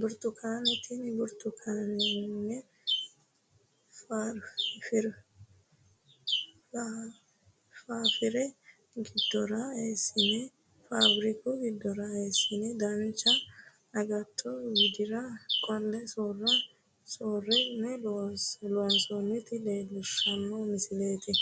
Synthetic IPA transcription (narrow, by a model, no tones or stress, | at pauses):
bʊɾt̪ʊkʰaːnɛt̪inbʊɾt̪ʊkʰaːnɛnːɛ | faɾfɪɾ | faːfɪɾɛ | ɡɪd̪̥ːɔɾɐeːsːɪnɛ | fabɾɪkʊɡɪd̪ːɔɾɐeːsːɪnɛd̪ɐnt͡ʃːɐ | ɐɡɐt̪ʰːɔɡɪd̪ɪɾɐkʼɔlːɛsoːrɐ | soːrːɛnɛ | loːnsɔnːɪt̪ɪleːlʊʃːɐmːɔmɪsɪleːt̪ɪ